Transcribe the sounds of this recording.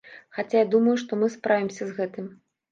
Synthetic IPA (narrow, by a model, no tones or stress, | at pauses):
xat͡sʲajad̪umɐjuʂt̪ɔmɨspɾʔavʲimsʲɐzɣɛt̪ɨm